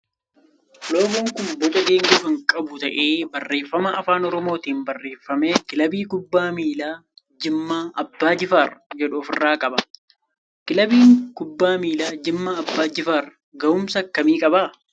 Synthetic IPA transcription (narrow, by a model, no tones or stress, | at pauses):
loːɡoŋkʊnbɔt͡ʃʼɐɡeːŋɡʊfɪŋkʼɐbʊt̪ɐʔe̞ːbɐrːe̞ːfːɐmɐʔɐfaːnɔɾɔmoːt̪iːnbɐrːe̞ːfːɐme̞ːkɪlɐbiːkʊbːaːmiːlaː | d͡ʒɪmːaːʔɐbːaːd͡ʒɪfaːrɐd͡ʒɛᶑʊːfɪrːaːkʼɐbɐ | kɪlɐbiːŋkʊbːaːmiːlaːd͡ʒɪmːaːɐbːaːd͡ʒɪfaːrɐ | ɡɐʊmsɐkːɐmiːkʼɐbaː